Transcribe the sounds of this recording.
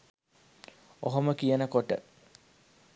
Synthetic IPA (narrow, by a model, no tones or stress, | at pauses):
oɦoməkijənəkoʈə